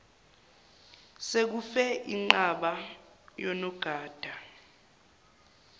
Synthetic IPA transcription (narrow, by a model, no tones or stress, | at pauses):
sek̬ufɛʔḭŋ͡ǃaɓa | jɔnɔɡ̥ʱaːd̥ʱa